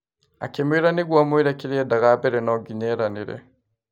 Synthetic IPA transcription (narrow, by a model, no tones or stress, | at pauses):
a̰kemiɾaniɡwamwiɾakiɾiedaɣabɛɾɛnɔɡiɲɛɾaniɾɛ̰